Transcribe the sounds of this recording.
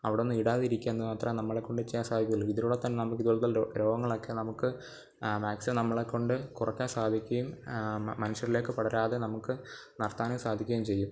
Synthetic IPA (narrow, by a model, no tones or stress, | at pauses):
ɐ̰ʋiɽeo̞nːɨmiɽaːðiɾikʲːaenːɨmaːt̪rɐmnɐmːɐɭekːoɳɖet͡ɕːejansaːd̪ʱikʲːɣɐlːuiðiɾuɽet̪ːɐnːenɐmukːiðɨoɭːɐt̪ːɐlɾo̞ːɡɐŋːɐɭo̞kːe̞nɐmukːɨ | maːksɨnɐmːɐɭekːo̞ɳɖɨkurɐkʲːaːnsaːd̪ʱikʲːɐjummɐnuɕɐɾile̞ːkːɨpɐɽɐɾaːðenɐmukːɨ | nɐrt̪aːnɐmsaːd̪ʱikʲːɐjiumt͡ɕe̞jːum